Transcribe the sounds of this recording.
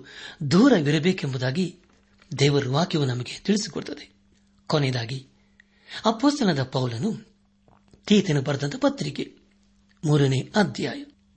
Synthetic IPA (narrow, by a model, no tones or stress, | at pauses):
d̪uːɾɐʋiɾɐbeːkembud̪aːɡi | d̪ɛːʋɐɾuʋaːkjɐʋunɐmɐɡet̪iɭisi̥koɽut̪ːɐd̪e | kɔnɛd̪aːɡi | ɐpoːst̪ɐlɐd̪ɐpɐwlɐnu | t̪iːt̪enubɐɾd̪ɐnt̪ɐpɐt̪ːɾike | muːɾɐneːɐd̪ʱja̰ːjɐ